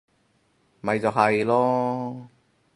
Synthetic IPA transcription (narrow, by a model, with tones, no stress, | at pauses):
mɐ˨˧jt͡sɐ˨˩ɦɐ˨jlɔː˥